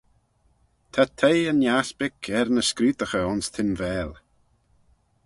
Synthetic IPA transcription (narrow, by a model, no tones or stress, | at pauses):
t̪ʰat̪ʰejənjasbɪkʰɛɾnəskɾiːt̪əxəʊnst̪ʰɪnvɛːl